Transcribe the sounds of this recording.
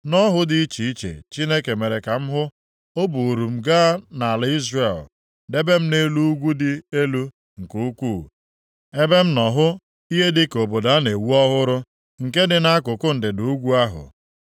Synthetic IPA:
nɔ˦ɦʊ˦dɪ˨i˦t͡ʃi˨i˦t͡ʃḛ˨t͡ʃi˦ne˦ke˨me˨ɾe˨ka˨m̩˦ɦʊ˦ | o˦bu˨ɾu˨m̩˨ɡa˦na˨a˨la˦i˦zre˨l | de˦be˦m̩˦ne˦lu˦ɡʷu˦dɪ˦e˦lu˦ | ŋ̩˨ku˦u˦kʷuː˦˨ | e˦be˦m̩˦nɔ˨ɦʊ˦ | i˦ɦe˦dɪ˦ko˨bo˨da˨˦ne˨wu˦ɔ˦ɦʊ˦ɾʊ˦ | ŋ̩˨ke˦dɪ˨na˦kʊ˨kʊ˦n̩˨dɪ˨du˨u˦ɡʷu˦a˦ɦʊ̰˨

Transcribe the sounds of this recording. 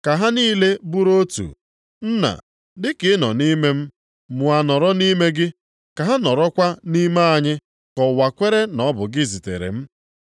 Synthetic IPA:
ka˨ɦa˦niː˦le˦bu˦ɾo˦tṵ˨ | n̩˦na̰˨ | dɪ˦kɪ˨˦nɔ̰˨ni˦me˦m̩˦ | mʊ˨a˨nɔ˨ɾɔ˦ni˦me˦ɡɪ˦ | ka˨ɦa˦nɔ˨ɾɔ˦kʷa˦ni˦me˦a˨ɲɪ˦ | kɔ˨wa˨kʷe˦ɾe˦nɔ˦bʊ˨ɡɪ˦zi˨tḛ˨ɾḛ˨m̩˦

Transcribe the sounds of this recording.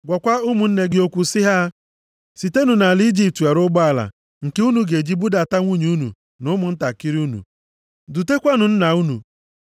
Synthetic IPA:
ɡʷa˨kʷa˦ʊ˦mʊ˨n̩˦ne˦ɡɪ˦o˦kʷu˨sɪ˦ɦa˦ | si˨te˦nu˨na˨li˦d͡ʒi˨p̚tu˨a˨ɾʊ˦ɡ͡bɔ˦a˨la̰˨ | ŋ̩˨ke˦u˦nu˨ɡe˨d͡ʒi˦bu˦da˨ta˦ŋʷu˦ɲ˨u˦nṵ˨ | nʊ˦mʊ˨n̩˦ta˨ki˦ɾi˦u˦nṵ˨ | du˨te˦kʷa˦nʊ˨n̩˦na˨u˦nṵ˨

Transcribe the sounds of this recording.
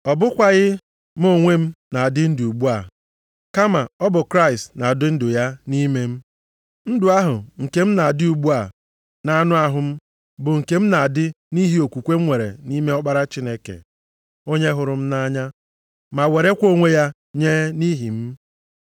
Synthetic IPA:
ɔ˨bʊ˦kʷa˦ɣɪ˦ | m˦o˦˨ŋʷe˦m̩˦na˨dɪ˦n̩˦dʊ˨u˨ɡ͡bu˦a˨ | ka˦ma˨ɔ˦bʊ˨kɾa˦i˨stna˨dʊ˦n̩˦dʊ˨ja˦ni˦me˦m̩˦ | n̩˦dʊ˨a˦ɦʊ˨ŋ̩˨ke˦m̩˦na˨a˨dɪ˦u˨ɡ͡bu˦a˨ | na˦nʊ˦a˦ɦʊ˨m̩˦ | bʊ˨ŋ̩˨ke˦m̩˦na˨dɪ˦ | ni˦ɦi˦o˨kʷu˨kʷe˦m̩˦ŋʷe˨ɾḛ˨ni˦me˦ɔ˦k͡pa˦ɾa˦t͡ʃi˦ne˦kḛ˨ | o˦ɲe˦ɦʊ˨ɾʊ˨m̩˦na˦ɲa˦ | ma˨we˨ɾe˦kʷo˦ŋʷe˦ja˦ | ɲe˦ni˦ɦi˨m̩˦

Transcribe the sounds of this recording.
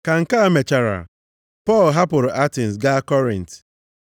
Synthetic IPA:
ka˨ŋ̩˨ka˦me˨t͡ʃa˨ɾa̰˨ | pɔ˦˨lɦa˦pʊ˨ɾʊ˨ʔa˦tɪ˨n˨s̬ɡa˦kɔ˦ɾḭ̃˨nt

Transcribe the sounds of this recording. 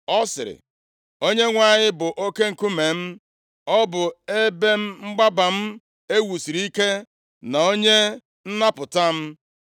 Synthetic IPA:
ɔ˦sɪ˨ɾɪ̰˨ | o˦ɲe˦ŋʷa˨ɲɪ˦bʊ˨ʔo˦ke˦ŋ̩˨ku˦me˨m̩˦ | ɔ˦bʊ˨e˦be˦m̩˦ŋ͡m̩˦ɡ͡ba˦ba˨m̩˦ | e˦wu˨si˨ɾi˦ke˦ | na˨o˦ɲe˦ | n̩˦na˦pʊ˨ta˦m̩˦

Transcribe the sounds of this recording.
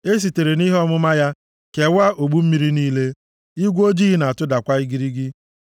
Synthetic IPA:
e˦s̬i˨te˨ɾe˨ni˦ɦe˦ɔ˦mʊ˦ma˦ja˦ | ke˨wa˦ʔo˨ɡ͡bu˦m̩˦mi˦ɾi˦niː˦le˦ | i˦ɡʷo˦d͡ʒi˦ɦi˦na˨a˨tʊ˦da˨kʷa˦i˦ɡi˦ɾi˦ɡɪ˦

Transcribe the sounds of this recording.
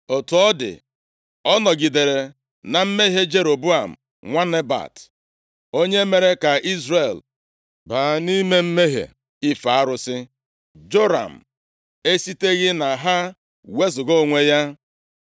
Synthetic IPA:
o˨tu˨ɔ˦dɪ̰˨ | ɔ˦nɔ˨ɡi˨de˨ɾe˨ | na˨m̩˦me˦ɦe˦d͡ʒe˦ɾo˨bu˦a˨m̩˨ | ŋʷa˦ne˦ba̰˨t | o˦ɲe˦me˨ɾe˦ka˨i˦zre˨l | ba˨ni˦me˦m̩˦me˦ɦḛ˨ | i˦fa˨a˦ɾʊ˨sɪ˦ | d͡ʒo˦ɾa̰˨m̩˨ | e˦si˦te˦ɣɪ˦na˨ɦa˦ | we˦zʊ˨ɡo˦˨ŋʷe˦ja˦

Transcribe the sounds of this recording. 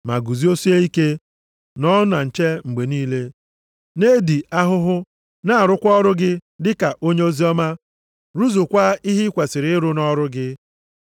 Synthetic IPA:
ma̰˨ɡu˨zi˦o˦si˦e˦i˦ke˦ | nɔ˦na˨n̩˨t͡ʃe˦ŋ͡m̩˨ɡ͡be˨niː˦le˦ | ne˦di˨ʔa˦ɦʊ˦ɦʊ˦ | na˦a˨ɾʊ˦kʷɔ˦ɾʊ˦ɡɪ˦dɪ˦ka˨ʔo˦ɲe˦o˦zi˦ɔ˦ma˦ | ɾu˦zu˨kʷa˦i˦ɦi˦kʷe˨sɪ˨ɾɪ˦ɪ˦ɾʊ˦nɔ˦ɾʊ˦ɡɪ˦

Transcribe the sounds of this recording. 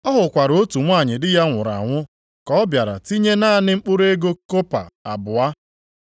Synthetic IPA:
ɔ˦ɦʊ˨kʷa˨ɾo˦tu˨ŋʷa˦˨ɲɪ˨dɪ˦ja˦ŋʷʊ˨ɾa̰˨ŋʷʊ˦ | kɔ˦ɔ˦bja˨ɾa̰˨ti˦ɲe˦na˦˨nɪ˦ŋ͡m̩˦k͡pʊ˦ɾe˦ɡo˦ko˦pa̰˨a˨bʊ˨a˦

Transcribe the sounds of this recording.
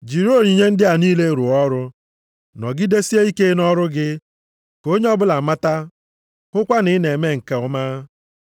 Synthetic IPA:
d͡ʒi˨ɾo˦˨ɾi˨ɲe˦n̩˦dɪ˦a˨niː˦le˦ɾʊ˨ɔ˦ɾʊ˦ | nɔ˨ɡɪ˦de˦si˦e˦i˦ke˦nɔ˦ɾʊ˦ɡɪ˦ | ko˦ɲe˦ɔ˦bʊ˦la˨ma˦ta˦ | ŋʊ˦kʷa˦nɪ˦ne˨me˦ŋ̩˨ke˨ʊ˦maː˦

